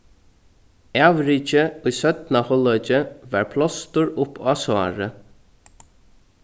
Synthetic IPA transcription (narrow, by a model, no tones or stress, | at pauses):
aʋɾiːt͡ʃəujsœt̪nahɔlɔʏt͡ʃəʋɑːɹpʰlɔst̪ʊɹʊpʰasɑ̰ːɹə